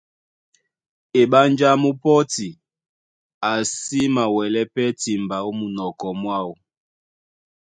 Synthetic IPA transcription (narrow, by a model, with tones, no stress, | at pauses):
e˨ɓa˦nd͡ʒa˦mu˦pɔ˦ti˨ | a˨si˦ma˨wɛ˨lɛ˦pɛ˦ti˨mba˨o˦mu˨nɔ˨kɔ˨mwa˦u˨